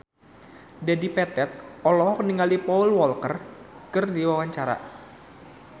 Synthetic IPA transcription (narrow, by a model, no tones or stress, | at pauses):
dadipɛt̪ɛt̪̚ɔlɔɦɔk̚niŋalipɔulwɔlkərkərdiwawaɲt͡ʃaɾa̰